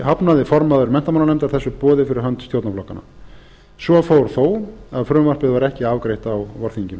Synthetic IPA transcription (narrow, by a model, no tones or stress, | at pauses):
hapnaðɪfɔɾmaðʏɾmɛn̥t̪amawnanɛmt̪aɾθɛsːʏpɔːðɪfɪɾɪɾ̥ɦœnt̪st̪jowt̪naflɔhkːanːa̰ | svɔfowɾ̥θowaðfɾœːmvar̥pɪðvaɾɛhcɪaːvkɾejht̪awvɔɾ̥θiɲcɪn